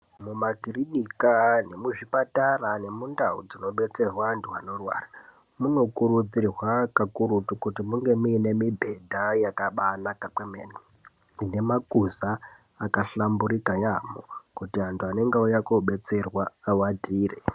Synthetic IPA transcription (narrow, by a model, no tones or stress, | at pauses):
mumakirinikane̞muʐipatarane̞mundaṵd͡zino̞ɓe̞t͡se̞rwaːntʰuano̞rwa̰ːra | muno̞kuɾud͡zirwakakuɾutukutimuŋɡe̞muːne̞mibʱe̞dʱajakaɓanakakwemeːni | ine̞makuzaː | kaɬambuɾikajamo̰kutiantʰuane̞ŋɡeujakoɓe̞t͡se̞rwawatiːre